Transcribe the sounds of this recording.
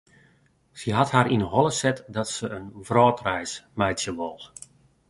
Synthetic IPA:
səɦathaɾinəɦɔlˠəsɛtdɔtsəːnvrɔːtrɛjsmɛjtsjəʋɔlˠt

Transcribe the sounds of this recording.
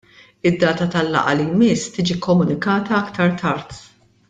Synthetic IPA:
ɪd̪ːɐːt̪ɐt̪ɐlːɐ̰ʔɐlijmɪsːt̪iːd͡ʒikːɔmːʊnɪkɐːt̪ɐɐkt̪ɐɾt̪ʰɐɾt̪

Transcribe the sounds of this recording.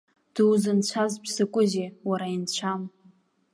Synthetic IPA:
d̥ɨwzɨnt͡ɕʷʰazpʰsɨkʷʼʊzewaɾaint͡ɕʷʰam

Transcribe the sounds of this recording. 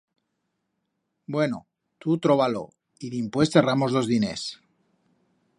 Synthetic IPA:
bwe̞no̰ | t̪ut̪ɾo̞βalo̰ | iðimpwe̞st̪eramozðo̞zðine̞̰s

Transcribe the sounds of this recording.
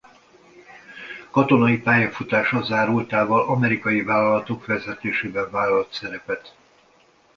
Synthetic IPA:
kɒt̪o̞nɒjipaːjɒfut̪aːʃɒzaːɾult̪aːvɒlɒmɛɾikɒjivaːlɒlɒt̪o̞kfɛzɛt̪eːʃeːbɛɱvaːlɒlɒt̪sɛɾɛpɛt̪

